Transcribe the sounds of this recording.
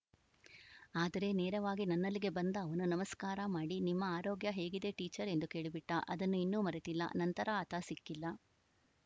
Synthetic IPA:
aːd̪ɐɾe̞neːɾɐʋaːɡinɐnːɐlːiɡe̞bɐnd̪ɐːʋɐnunɐmɐskaːɾɐmaːɽinimːɐaːɾoːɡjɐɦe̞ːɡid̪e̞ʈiːt͡ʃɐɾe̞nd̪uke̞ːɭibiʈːɐʔɐd̪ɐnːuinːuːmɐɾet̪ilːɐ̰nɐnt̪ɐɾɐːt̪ʰɐsikːilːɐ

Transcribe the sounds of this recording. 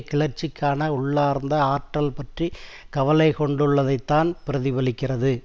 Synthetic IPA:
kːɪɭɐɾt͡ʃːɪkːaːnɐʊɭːaːɾnd̪ɐaːʈːɐlpɐʈrikɐʋɐlɐɪkɔɳɖɯɭːɐðɐɪt̪ːaːnpɪɾɐðɪʋɐlɪkːɪrɐðɯ

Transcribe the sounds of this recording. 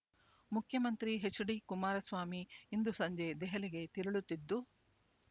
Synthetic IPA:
mukʰjɐmɐnt̪ɾiɦet͡ʃːuɽikumaːɾɐsʋaːmiːnd̪usɐɲd͡ʒed̪ɛɦɐliɡe̞t̪iɾɐɭut̪ːid̪ːu

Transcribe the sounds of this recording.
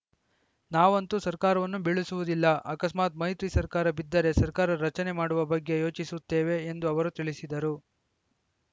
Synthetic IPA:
naːʋɐnt̪usɐɾkaːɾɐʋɐnːubiɭusuʋud̪ilːɐʔɐkɐsmaːt̪̚mɐjit̪ɾisɐɾkaːɾɐbid̪ːɐɾe̞sɐɾkaːɾɐɾɐt͡ʃɐne̞maːɽuʋɐbɐɡːe̞jo̞ːt͡ʃisut̪ːe̞ːʋe̞ːnd̪uɐʋɐɾut̪iɭisid̪ɐɾu

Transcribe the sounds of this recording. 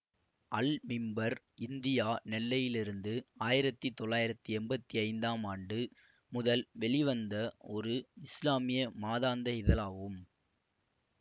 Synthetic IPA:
ɐlmɪmbɐɾ | ɪnd̪ɪjaːnɛlːɐjɪlɪɾɯnd̪ɯaːjɪɾɐt̪ːit̪ːɔɭːaːjɪɾɐt̪ːɯɛmbɐt̪ːiɐɪnd̪aːmaːɳɖɯ | mʊðɐlʋɛɭɪʋɐnd̪ɐɔɾɯɪslaːmɪjɐmaːðaːnd̪ɐɪðɐlaːʋɯm

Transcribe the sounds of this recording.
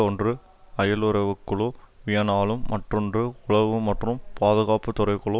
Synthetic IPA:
ɔndrɯ | ɐjɐlɯɾɐʋɯkːɯɭɯʋɪjɐnaːlɯmːɐʈrɯndrɯʊɭɐʋɯmɐʈrɯmpaːðɯɣaːpɯt̪ʊɾɐɪkɯɭɯ

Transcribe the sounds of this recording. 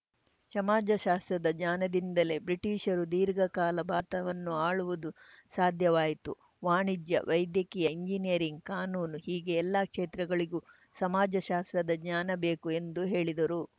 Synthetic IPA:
sɐmaːd͡ʒɐʃaːst̪ɾɐd̪ɐɲaːnɐd̪ind̪ɐle̞ːbɾiʈiːʃɐɾud̪iːɾɡɐkaːlɐbaːt̪ɐʋɐnːuaːɭuʋud̪u | saːd̪ʱjɐʋaːjit̪u | ʋaːɳid͡ʒjɐ̰ʋʔɐjd̪jɐkiːjɐiɲd͡ʒinijɐɾiŋɡ̚kaːnuːnuhiːɡe̞ːlːaːkʂeːt̪ɾɐɡɐɭiɡuː | sɐmaːd͡ʒɐʃaːst̪ɾɐd̪ɐd͡ʒɲaːnɐbe̞ːkue̞nd̪uɦe̞ːɭid̪ɐɾu

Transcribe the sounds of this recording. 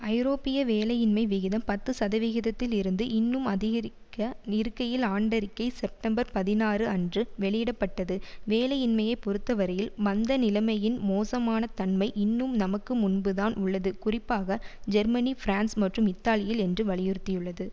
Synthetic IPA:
ɐɪɾoːpːɪjɐʋeːlɐjɪnmɐɪʋɪɣɪðɐmpɐt̪ːɯsɐðɐʋɪɣɪðɐt̪ːɪlɪɾɯnd̪ɯʔɪnːɯmɐðɪɣɐɾɪkːɐnɪɾɯkːɐjɪlaːɳɖɐɾɪkːɐɪsɛp̚ʈɐmbɐɾpɐðɪnaːrɯɐndrɯʋɛɭɪjɪɽɐpːɐʈːɐðɯʋeːlɐjɪnmɐjɐɪpɔɾɯt̪ːɐʋɐɾɐjɪlmɐnd̪ɐnɪlɐmɐjɪnmoːsɐmaːnɐt̪ɐnmɐɪʔɪnːɯmnɐmɐkːɯmʊnbɯðaːnʔʊɭːɐðɯkʊrɪpːaːɣɐd͡ʒɛɾmɐnifɾaːnsmɐʈrɯmɪt̪ːaːlɪjɪlɛndrɯʋɐɭɪjʊɾt̪ːɪjɯɭːɐðɯ

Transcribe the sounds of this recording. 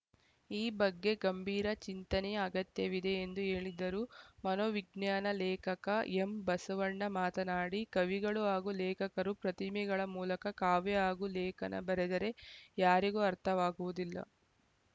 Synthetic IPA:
iːbɐɡːe̞ɡɐmbʱiːɾɐt͡ʃint̪ɐnɛɐɡɐt̪jɐʋid̪e̞ːnd̪uɦe̞ːɭid̪ɐɾumɐnoʋiɡnjaːnɐlɛːkɐkɐembɐsɐʋɐɳːɐmaːt̪ɐnaːɽikɐʋiɡɐɭuaːɡulɛːkɐkɐɾupɾɐt̪imiɡɐɭɐmuːlɐkɐkaːʋɛaːɡulɛːkɐ̰nɐ̰bɐɾed̪ɐɾe̞jaːɾiɡuːɐɾt̪ʰɐʋaːɡuʋud̪ilːɐ̰

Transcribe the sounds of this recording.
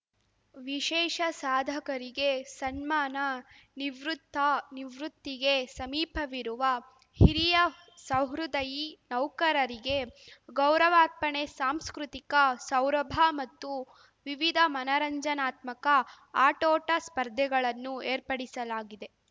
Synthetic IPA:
ʋiʃɛːʃɐsaːd̪ʱɐkɐɾiɡe̞sɐnmaːnɐ | niʋɾut̪ːɐniʋɾut̪ːiɡe̞sɐmiːpʰɐʋiɾuʋɐ | hiɾijɐ | sɐwɦɾud̪ɐjinɐwkɐɾɐɾiɡe̞ɡɐwɾɐʋaːɾ̚pɐɳesaːmskɾut̪ikɐsɐwɾɐbʱɐmɐt̪ːu | ʋiʋid̪ʱɐmɐnɐɾɐɲd͡ʒɐnaːt̪mɐkɐ | aːʈoːʈɐspɐɾd̪ʱjɛɡɐɭɐnːueːɾpɐɽisɐlaːɡid̪e̞

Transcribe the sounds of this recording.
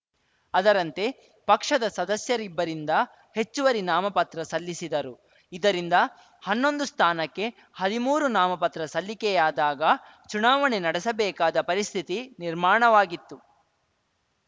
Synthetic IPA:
ɐd̪ɐɾɐnt̪e̞ | pɐkʂɐd̪ɐsɐd̪ɐsjɐɾibːɐɾind̪ɐ | he̞t͡ʃːuʋɐɾinaːmɐpɐt̪ɾɐsɐlːisid̪ɐɾu | id̪ɐɾind̪ɐ | hɐnːo̞nd̪ust̪ʰaːnɐkːe̞ | hɐd̪imuːɾunaːmɐpɐt̪ɾɐsɐlːikɛjaːd̪aːɡɐ | t͡ʃunaːʋɐɳenɐɽɛsɐbɛːkaːd̪ɐpɐɾist̪ʰit̪iniɾmaːɳɐʋaːɡit̪ːu

